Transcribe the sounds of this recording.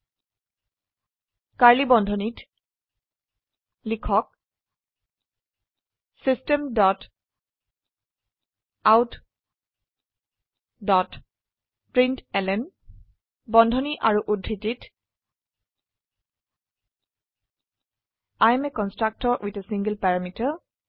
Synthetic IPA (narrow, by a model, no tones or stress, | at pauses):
kaɹlibɔndʱɔnit | likʰɔk̚ | sistɛmdɔt | awt | dɔt | pɹĩntɛlɛn | bɔndʱɔniʔaɹuʔudʱːitit | ajmekɔnstɹak̚tɔɹʔwʔitesĩŋɡəlpaɹamitə